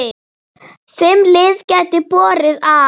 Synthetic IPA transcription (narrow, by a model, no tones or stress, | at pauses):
θɪmlɪðcɛt̪ɪpɔːɾɪða